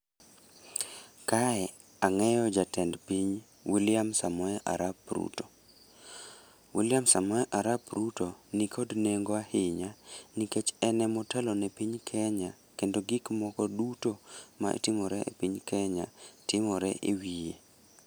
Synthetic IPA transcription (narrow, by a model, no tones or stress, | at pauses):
kaɛ | aŋɛjɔd͡ʒatɛndpiɲ | wilɪjamsamɔɛʔa̰ɾapɾṵto̥ | wilɪjamsamɔɛʔaɾapɾutonikʰodneŋɡoahɪɲaniket͡ʃɛnɛmɔtɛlɔnɛpiɲkʰɛɲa | kendoɡɪkmɔkɔdutoma̰ḛtɪmɔɾɛʔḛpiɲkʰɛɲatɪmɔɾɛ̰ʔewije